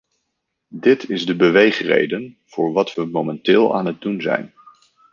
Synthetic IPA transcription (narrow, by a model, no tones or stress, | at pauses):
dɪtʰɪzdəbəʋejχrḛjdən | v̥ʊːɹʋɑtʋəmowmɛntɪːlˠa̰ːnɦət̚dunzɛ̰jn